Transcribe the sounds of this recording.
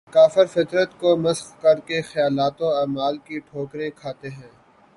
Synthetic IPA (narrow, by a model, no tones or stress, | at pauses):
kaːfɪɾfɪt̪ɾət̪komɐsxkɐɾkexɐjaːlaːt̪õaːmaːlkiʈʰoːkɾẽkʰaːt̪eɦɛ̃ː